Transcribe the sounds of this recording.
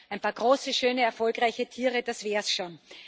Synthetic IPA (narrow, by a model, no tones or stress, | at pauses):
æɪnpʰaːɐɡʁoːsəʃøːnəɛɐfɔlkʁaɪçətʰiːʁəd̥asv̥ɛːɐsʃoːn